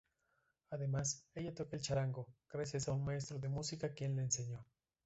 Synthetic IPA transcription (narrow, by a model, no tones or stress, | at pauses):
aðemaseʝat̪okelt͡ʃaɾaŋɡoɡ̥ɾasjasaunmaes̬t̪ɾoðemusikakje̞nleːnseɲo